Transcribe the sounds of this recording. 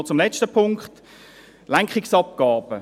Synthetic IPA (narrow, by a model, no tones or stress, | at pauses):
t͡sʊmlɛt͡ʃtəpʰʊŋkχt | lɛŋkχiksɑp̚ɡ̥ɑːb̥ə